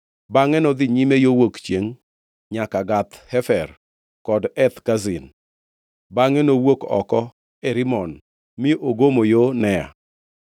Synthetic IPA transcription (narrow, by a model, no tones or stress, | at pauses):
baŋɛnɔd̪ɪɲimejowokt͡ʃjeŋ | ɲakaɡat̪hɛfɛr | kɔdɛt̪kazɪn | baŋɛnowokɔ̰kɔ | ɛɾɪmɔn | mɪoɡomojonɛja̰